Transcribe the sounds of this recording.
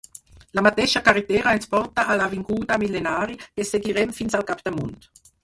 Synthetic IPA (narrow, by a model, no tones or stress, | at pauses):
lamat̪ɛʃakaɾit̪ɛːɾaɛnspɔrt̪aʔalaviŋɡuːd̪amilenaːɾikeseɡiɾɛmfinsalkapd̪amunt̪